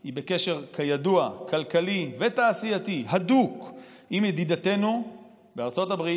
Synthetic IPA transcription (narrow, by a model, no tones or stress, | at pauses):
hibe̞ke̞ʃe̞ʁkʰajaduakʰalkalivet̪aːsijat̪iɦaduk | imjed̪id̪at̪e̞nu | beaʁt͡so̞tabʁi